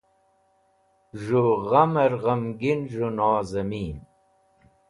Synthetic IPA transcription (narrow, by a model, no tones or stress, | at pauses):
ʐuʁɐmɐɾʁɐmɡinʐonaːzɐmiːn